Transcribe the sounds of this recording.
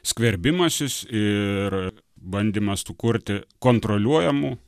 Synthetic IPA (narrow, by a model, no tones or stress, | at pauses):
sʲkʋʲɛɾʲbʲɪmɐsʲɪsɪr | bɐnʲd̪ʲimɐst̪uːkʊɾʲt̪ʲɪkoːnt̪ɾolʲuɔjɛmu